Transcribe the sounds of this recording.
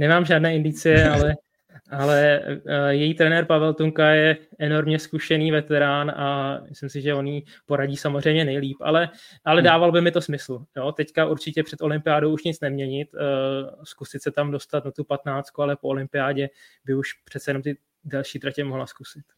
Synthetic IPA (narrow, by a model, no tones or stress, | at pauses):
nɛmaːmʒaːdnɛːɪndɪt͡sɪjɛalɛ | ʔalɛ | jɛjiːt̪ɾɛnɛːɾpavɛlt̪uŋkajɛʔɛno̞ɾmɲɛskuʃɛniːvɛt̪ɛɾaːnamɪslɪmsɪʒɛo̞niː | po̞ɾaɟiːsamozr̝ɛjmɲɛnɛjliːpʔa̰lɛʔalɛdaːvalbɪmɪt̪o̞smɪsl̩jo̞t̪ɛckaʔuɾt͡ʃɪcɛpr̥ɛt̪o̞lɪmpɪjaːdowuʃɲɪt͡snɛmɲɛɲɪt̪ | skusɪt̪sɛt̪amdo̞st̪at̪nat̪upat̪naːt͡st̪kualɛpoolɪmpɪjaːɟɛbɪuʃpr̥ɛt̪sɛjɛno̞mt̪ɪ | dɛlʃiːt̪ɾacɛmoɦlaskusɪt̪